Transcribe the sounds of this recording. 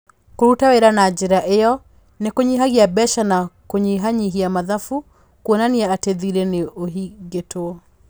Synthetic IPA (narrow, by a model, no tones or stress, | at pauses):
koɾutaweɾanad͡ʑeɾaʔejɔ | nekoɲiɦaɣiabɛʃanakoɲiɦaɲiɦiamaðafu | kwonaniɛateðiɾeneoɦiɡetoɔ